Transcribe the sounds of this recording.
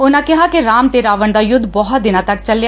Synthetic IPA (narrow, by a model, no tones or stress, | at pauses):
ʊnãːkɪɦaːkɪɾaːmt̪eɾaːʋəɳd̪aːjʊd̪ːbɔɦət̪̚d̪ɪnãːt̪ɐkt͡ʃəljaː